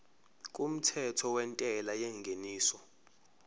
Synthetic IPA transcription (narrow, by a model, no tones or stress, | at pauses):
k̬ʼum̩tʰɛtʰɔwɛntʼɛlajɛŋɡʱeniːsɔ